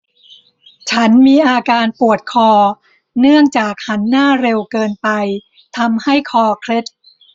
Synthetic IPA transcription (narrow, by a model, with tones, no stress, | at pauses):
t͡ɕʰa˦˥nmiː˧ʔaː˧kaː˧npu˨˩ət̪̚kʰɔː˧ | nɯ˥˩əŋt͡ɕaː˨˩k̚ha˦˥nːaː˥˩ɾe˧wkɤː˧npa˧j | t̪ʰa˧mha˥˩jkʰɔː˧kʰɾe˦˥t̪̚